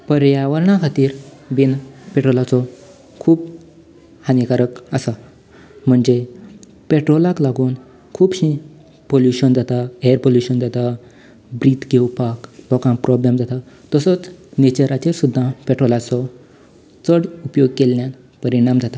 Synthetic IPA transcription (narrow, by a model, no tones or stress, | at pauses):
pəɾjaʋəɾɳakʰat̪iːɾbinpeʈɾolat͡sɔ | kʰuːb | hanikaɾəkəsa | m̤əɳd͡ze | peʈɾolaklaɡuːn | kʰuːbɕĩ | poljuɕənd͡zat̪aeəɾpoljuɕənd͡zat̪a | bɾit̪ɡewpaklɔkãŋpɾɔblemd͡zat̪a | t̪əsət͡snet͡ɕəɾat͡ɕeɾsud̪ʱːãpeʈɾolat͡sɔ | t͡səɽupjoɡkelːjãn | pəɾiɽ̃amd͡zat̪a